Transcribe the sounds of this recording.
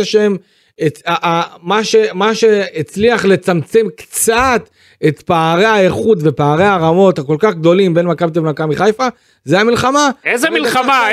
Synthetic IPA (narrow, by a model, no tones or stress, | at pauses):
aʃem | eaʔamaʃe̞maʃe̞et͡sliaχle̞t͡samt͡se̞mkt͡sat̪ | et̪paːʁe̞aeχut̪ve̞paːʁe̞aʁamo̞t̪ako̞lkaχɡd̪o̞limbe̞nmakamt̪ivmakamiχajfa | zeamilχamaezemilama